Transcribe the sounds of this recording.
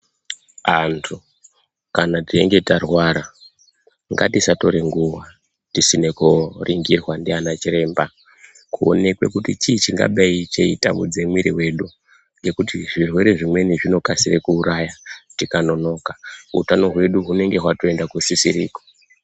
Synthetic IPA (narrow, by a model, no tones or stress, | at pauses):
antʰu | kanatie̞̰ŋɡe̞tarwaɾa | ŋɡatisato̞ɾe̞ŋɡuwa | tisinekoriŋɡirwandianat͡ʃiɾe̞ːmba | kuo̞̰ne̞kwe̞kutit͡ʃiːt͡ʃiŋɡa̰ɓait͡ʃeita̰mṵd͡zemwiɾiwe̞ɗu | ŋɡe̞kutiʐirwe̞ɾe̞ʐimwe̞niʐino̞kasirekuːɾajatikano̞no̞kaɦṵtano̞ɦwe̞ɗuɦune̞ŋɡe̞ɦwato̞e̞ndakusisiɾḭːko